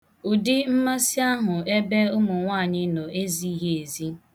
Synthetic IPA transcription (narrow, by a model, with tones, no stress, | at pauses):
ʊ˨dɪ˦m̩˦ma˦si˦a˦ɦʊ˨e˦be˦ʊ˦mʊ˨ŋʷaː˦˨ɲɪ˦no˨e˦zi˦ɦe˦e˨zi˦